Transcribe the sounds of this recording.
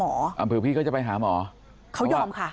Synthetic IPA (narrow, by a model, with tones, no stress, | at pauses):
ɔː˨˩˦ʔə̰˨˩pʰɨː˨˩wʰki˧kɔː˨˦˥t͡ɕːɓa˧jɦaː˨˦mɔ̰ː˨˦ | xʰa˧˥wzɔ˧mxaː˧˥˩